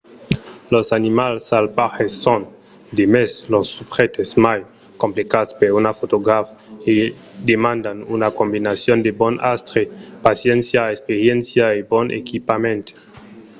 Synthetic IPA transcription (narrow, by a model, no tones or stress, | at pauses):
losanimalsalpahesːon | d̪emeslosːupʁet̪esmaj | kõmplekaspeɾunafot̪oɡɾafe | d̪emãnd̪anunakombinasjond̪ebɔnʔast̪ɾepasjɛnsjaespeɾjensjaebonḛkipamẽnt̪